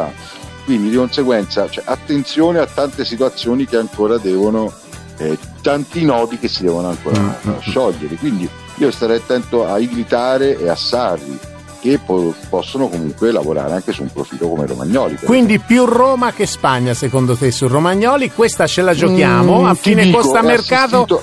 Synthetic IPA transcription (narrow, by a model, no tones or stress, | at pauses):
a | kwind̪id̪ikonseɡwɛnt̪sat͡ʃoɛʔat̪ːent̪sjoːneat̪ːant̪esit̪uat̪sːjoːnikeaŋkoːɾad̪ɛːvono | ɛt̪ant̪inɔːd̪ik̟esːid̪ɛːvonoaŋko̰ːɾa̰ʃɔʎːeɾekwind̪i | iːost̪aɾɛjat̪ːɛnt̪oaiɡɾit̪aːɾeʔeasːarːḭ | k̟epɔpːɔsːonokomuŋkwela̰voɾa̰ːɾeaŋkesumpɾo̰fiːlokomḛɾo̰ma̰ɲːɔːlḭkkwind̪ipjuroːmakespaɲːasekond̪ot̪esurːomaɲːɔːlikwest̪at͡ʃelad͡ʒokjaːmoafːiːnekost̪ammerkaːt̪o